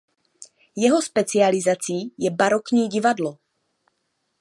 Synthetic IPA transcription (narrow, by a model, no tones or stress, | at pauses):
jɛɦo̞spɛt͡sɪalɪzat͡siːjɛbaɾokɲiːɟɪvadlo